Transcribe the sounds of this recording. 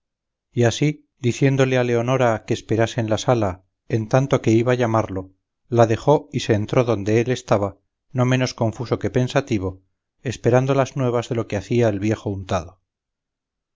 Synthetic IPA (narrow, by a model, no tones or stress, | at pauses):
iasi | d̪iθje̞nd̪o̞le̞ale̞o̞no̞ɾakeːspe̞ɾase̞ːnlasala | e̞nt̪ant̪o̞ke̞iβaːʎamaɾlo̞ | laðe̞χo̞ise̞ːnt̪ɾo̞ðo̞nd̪e̞ele̞st̪aβa | no̞me̞no̞sko̞ɱfuso̞ke̞pe̞nsat̪iβ̞o̞ | espe̞ɾand̪o̞laznwe̞β̞azðe̞lo̞keaθiaelβje̞xo̞unt̪aðo